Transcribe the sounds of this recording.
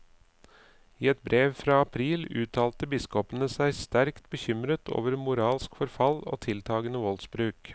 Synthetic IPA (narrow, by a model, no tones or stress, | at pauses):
iːɛt̪̚bɾeːʋfɾɑːɑpʰɾiːlʉːt̪ʰɑːlt̪əbɪskɔpənəsæɪst̪æɾkt̪̚bəçʏmɾət̪ʰo̰ːʋəɾmʊɾɑːlskfɔɾfɑlo̰ːt̪ʰɪlt̪ʰɑːɡənəʋɔlsbɾʉːk